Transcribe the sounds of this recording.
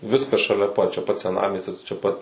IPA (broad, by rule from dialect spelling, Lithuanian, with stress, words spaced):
ˈʋʲɪskɐs ʃɐˈlʲɛ ˈpɐt t͡ʃʲɛ ˈpɐt sʲɛˈnɑːmʲiɛsʲtʲɪs t͡ʃʲɛ ˈpɐt